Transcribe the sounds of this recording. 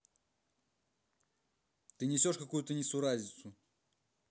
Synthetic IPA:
t̪ɨnʲɪsʲoʂkɐkujut̪ənʲit̪suɾazʲnʲɪt̪su

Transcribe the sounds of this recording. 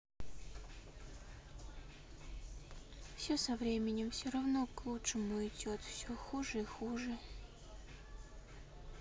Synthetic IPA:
fsʲosɐvɾʲemʲɪnʲɪmfsʲorɐvnoklˠuʂɨmʊɪdʲot̪fsʲoxuʐəixuʐɨ

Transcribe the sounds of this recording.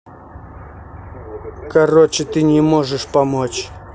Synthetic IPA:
kɐrot͡ɕɪt̪ɨnʲɪmoʐɨʂpɐmot͡ɕ

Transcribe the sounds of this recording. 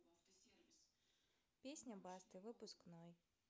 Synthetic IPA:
pʲesʲnʲɐbɑst̪ɨʋɪpʊsknɔj

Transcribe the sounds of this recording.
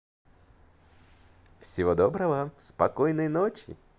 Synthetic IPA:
fsʲɪvod̪obɾəvəspɐkojnəjnot͡ɕɪ̰

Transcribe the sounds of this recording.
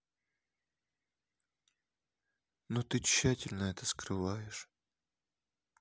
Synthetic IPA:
not̪ɨt͡ɕːætʲɪlʲnəɛt̪əskɾɨvajɪʂ

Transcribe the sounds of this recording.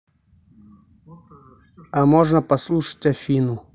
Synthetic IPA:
amoʐnəpɐslˠuʂə̥tʲɐfʲinʊ

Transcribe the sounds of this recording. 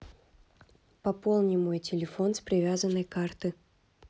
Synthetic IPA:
pɐpo̞lˠnʲɪmojtʲɪlʲɪfo̞nspɾʲɪvʲazənːəjkart̪ɨ

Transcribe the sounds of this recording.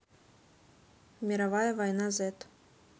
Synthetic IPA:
mʲiɾavajɐvajnazɛt̪

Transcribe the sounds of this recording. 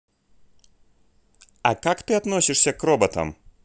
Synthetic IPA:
ɐkakt̪ɐɪɐt̪nuɔsʲɪʃsʲɛkɾɔbɐt̪ɐ̰m

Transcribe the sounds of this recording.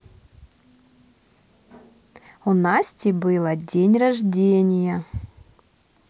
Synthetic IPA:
unasʲtʲɪbɨlˠədʲenʲrɐʐdʲenʲɪjə

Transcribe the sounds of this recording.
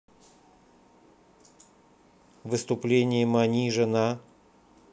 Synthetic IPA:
vɨst̪ʊplʲenʲɪjəmanʲiʐɨna

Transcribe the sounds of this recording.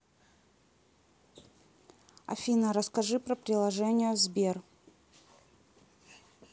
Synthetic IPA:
ɐ̰fʲinəɾəskɐʐɨpɾəpɾʲɪlˠɐʐɛnʲɪjəzbʲer

